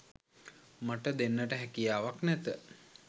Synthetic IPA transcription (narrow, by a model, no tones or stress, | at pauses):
maʈəd̪enːəʈəɦækijaːʋaknɛt̪ə